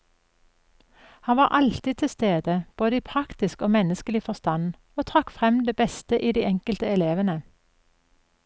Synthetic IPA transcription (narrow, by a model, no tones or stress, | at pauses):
hɑnʋɑːʁʔɑlt̪iːd̚t̪ʰɪst̪eːd̪əb̥oːd̪əiːpʰʁɑkt̪ɪskoːmɛnəskəlɪfɔʁst̪ɑn | oːt̪ʰʁɑkfʁɛmd̪eːbɛst̪əʔiːd̪iːɛŋkəlt̪əɛleːʋənə